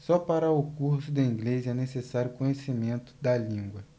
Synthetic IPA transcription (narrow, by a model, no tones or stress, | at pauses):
sɔpaɾɐʊkuɾsʊd̪ɐĩɡlezɛnesesaɾjʊkõɲesimẽnt̪ʊ̥d̪ɐlĩŋɡwɐ